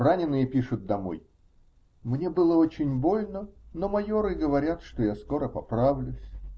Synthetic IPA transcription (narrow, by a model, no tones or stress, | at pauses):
ranʲɪnːɨjəpʲiʂʊt̪̚d̪ɐmo̞̰j | mnʲebɨlˠəo̞t͡ɕɪnʲbo̞lʲnəno̞mɐjo̞ɾɨɡəvɐɾʲat̪ʂt̪ojasko̞ɾəpɐpɾavlʲʊsʲ